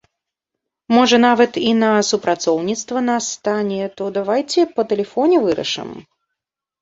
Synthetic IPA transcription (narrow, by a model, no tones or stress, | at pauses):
mɔʐɐnavɐt̪inɐsupɾat̪sɔwnʲit̪st̪vɐnast̪anʲɛt̪ɔd̪avajt͡sʲɛpɐt̪ɛlʲɛfɔnʲɛvɨɾɐ̰ʂɨ̰m